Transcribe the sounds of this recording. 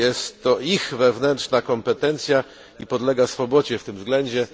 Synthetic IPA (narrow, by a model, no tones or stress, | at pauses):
jɛst̪ːɔixvɛvnɛntʂnakɔmpɛt̪ɛnt̪sʲja | ipɔd̪lɛɡasfɔbɔd͡ʑɛft̪ɘmzɡlɛɲd͡ʑɛ